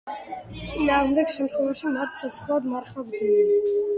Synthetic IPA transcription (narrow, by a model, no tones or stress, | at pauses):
t̪sʼinaːʁmd̪ɛɡʃɛmt̪ʰχwɛvaʃimat̪̚ʰsʰɛsʰχlˠad̪maɾχabd̪in